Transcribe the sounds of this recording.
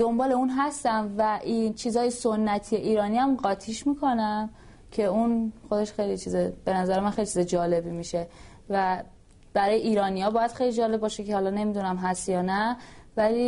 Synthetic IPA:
d̪o̞mbɒːle̞uːnɦæst̪æmvæʔit͡ʃʰiːzhɒːjesonːæt̪ʰije̞ʔiːɾɒːniæmɢɒːt̪ʰiːʃmiːkʰo̞næm | cʰe̞unxo̞d̪eʃxejlit͡ʃʰiːzeb̥e̞næzæɾemænxelit͡ʃʰizd͡ʒɒːle̞bimiʃe̞ | væ | b̥æɾɒːjeʔiːɾɒːnijɒːbɒːjæd̪xejlid͡ʒɒːle̞b̚ɒːʃecʰe̞hɒːlɒne̞mid̪unæmɦæst̪jɒːnævæli

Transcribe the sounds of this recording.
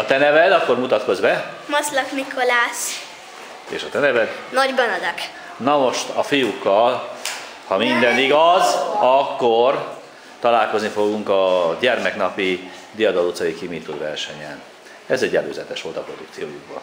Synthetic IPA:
ɒt̪ɛnɛvɛd̪ɒkːo̞rmut̪ɒt̪ko̞zbɛmɒslɒkmikolaːs | ḛːʃɒt̪ɛnɛvɛd̪nɒɟbɒnɒd̪ɒk | nɒmo̞ʃt̪ɒfijukːɒl | hɒmind̪ɛniɡɒzɒkːor | t̪ɒlaːlko̞znifo̞ɡuŋkɒɟɛrmɛknɒpi | d̪ijɒd̪ɒlut̪sɒjikimit̪ːud̪vɛrʃɛɲɛn | ɛzɛɟːɛlø̰ːzɛt̪ɛʃʋo̞lt̪ɒpro̞d̪ukt̪sijo̰ːjuɡbɒ̰

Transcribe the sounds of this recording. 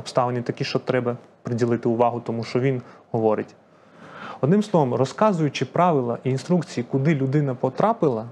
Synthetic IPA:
ɔpst̪ɑʋenʲit̪ɐkʲiʃt͡ʃɔt̪ɾɛbɐ | pɾɪdʲilˠɪt̪ɪʊʋɑɦʊt̪ɔmuʃt͡ʃɔʋʲinɦɔʋɔɾɪtʲ | ɔd̪nɪ̃msˠɔʋɔmrɔskɑzʊjʊt͡ʃɪpɾɑʋɪlˠɐ̰ʔiːnst̪ɾukt͡sʲijikʊd̪ɪlʲʊd̪ɪnɐpɔt̪ɾɑpɪlˠɐ

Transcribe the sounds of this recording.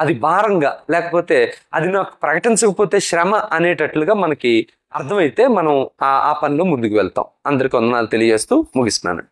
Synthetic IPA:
ɐd̪ibʱaːɾɐŋɡaːlɛːkɐpo̞ːt̪e̞ːɐd̪inakːɐ̥pɾɐkɐʈiɲt͡ʃɐkɐpo̞ːt̪e̞ːʃɾɛmaʔɐneːʈɐʈluɡaːmɐnɐki | ɐɾt̪ʰɐmɐjit̪e̞ːmɐnɐma̰ːpɐnloːmund̪ukuʋɛɭt̪a̰ːw̃ɐnd̪ɐɾikiɔnd̪ɐnaːlut̪e̞lijɐd͡ʒeːst̪uːmuɡist̪na̰ːnɐ̰

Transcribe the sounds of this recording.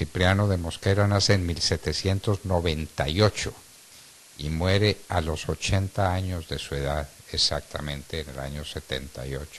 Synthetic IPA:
sipɾjano̞ðe̞mo̞skeɾanaseːnmilse̞t̪e̞sje̞nt̪o̞zno̞βe̞nt̪a̰jo̞t͡ʃo | imwe̞ɾe̞alo̞so̞t͡ʃe̞nt̪aaɲo̞zðe̞sue̞ðaðesak̚t̪amẽnt̪e̞ːne̞la̰ɲo̞se̞t̪ḛnt̪a̰jo̞̰t͡ʃo̥

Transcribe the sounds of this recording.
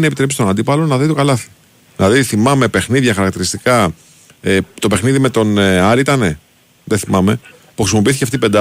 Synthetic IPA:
nepit̪ɾeist̪onɐnd̪ipɐlonɐðit̪okɐlɐθi̥ | ðilɐðiθimɐme̞pe̞xniðʝɐxɐɾɐkt̪iɾist̪ikɐ | et̪o̞pe̞xniðime̞t̪o̞nɐɾiit̪ɐne | ðeθimɐme̞ | puxɾisimo̞piiθiceft̪ipe̞nd̪ɐ

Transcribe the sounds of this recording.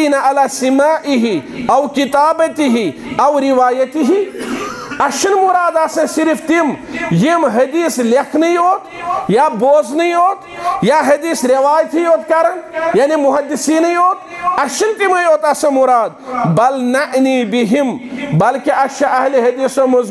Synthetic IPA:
iːnɐɐlaːsimaːʔiɦiɐwkit̪aːbɐt̪iɦi | ɐwɾiʋaːjɐt̪iɦi | ɐʃɐnmʊɾaːd̪ɐsɐ̃siɾft̪imjimɦɐd̪iːslekʰnɐioːt̪jaːboːznɐĩoːt̪jaːɦɐd̪iːsɾɐʋaːjt̪ɦijoːt̪kaɾɐnjaːnimʊɦɐd̪ːisiːnɐjoːt̪ | ɐʃɐnt̪imɐjoːt̪ɐsɐ̃mʊɾaːd̪̚bɐlnɐʔniːbiɦimbɐlkiʔɐʃɐʔɐɦleɦɐd̪iːsomɐz

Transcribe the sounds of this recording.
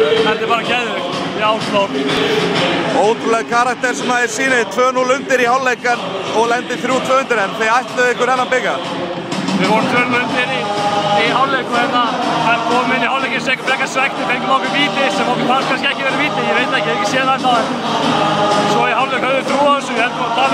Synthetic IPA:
θɛht̪ɪɾpaːɾacɛðɪɪkiawslown | oːwt̪ɾʏlɛɣkʰaɾak̚t̪ɛɾ̥sɛnaɪɾsiːnɪt̪ʰvœːnulʏnt̪ɪɾihawlejkaɛnɔɣlɛnt̪ɪθɾjuːt̪ʰvœːhʏnt̪ɪɾɛnθejajht̪lʏðɪhkʏɾɛnːapɪkːa | vɪðvɔɾmt̪ʰvœːnlʏnt̪ɪnːiiɦawlejkʏhɛt̪ːakɛɾkʰɔːmʏmɪnːihawlejcɪnsɛːkʏ̥pɾɛːkasvɛk̚t̪ɪfeŋkʏmawkʏviːp̪ɪsɛmɔwkɪfanskʰans̬cɪɛhcɪvɛːɾɪviːt̪ɪjɛvejt̪aɛhcɪɛɛcɪ̥sjɛːɾðaɛt̪aɛn | sɔihawlekhœðʏθɾuːaðɛsʏmjɛlt̪ɔt̪ʰaː

